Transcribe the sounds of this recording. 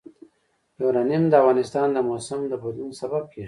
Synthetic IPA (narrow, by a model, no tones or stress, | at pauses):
jowɾɑnimd̪əavɣɑːnɪst̪ɑːnd̪əmosamd̪əbʊd̪lunsabab̚ke